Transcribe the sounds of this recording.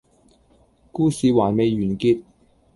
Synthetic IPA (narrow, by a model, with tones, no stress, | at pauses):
kuː˥siː˨˧waː˨˩jme˨˧jɥyː˨˩nkiː˧t̪̚